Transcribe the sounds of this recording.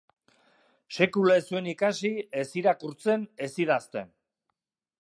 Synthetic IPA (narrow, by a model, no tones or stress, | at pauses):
se̞kulaesue̞nikasie̞siɾakuɾt͡se̞ne̞siðast̪e̞̰n